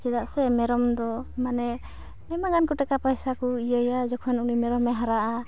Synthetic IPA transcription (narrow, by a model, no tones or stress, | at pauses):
d͡ʒɛd̪aʔsɛmɛɾɔmd̪ɔmanɛ | mɛmaɡankɔʈɛkapajsakuijəjad͡ʒɔkʰɔnunimɛɾɔmːɛɦaɾaʔa